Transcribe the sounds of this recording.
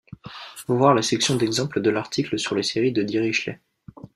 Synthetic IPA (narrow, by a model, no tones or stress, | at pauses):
vuvwaʁlasɛksjɔ̃d̪ɛɡzɑ̃pləd̪əlaʁt̪ʰikləsyʁleseʁid̪əd̪iʁiʃlɛ̰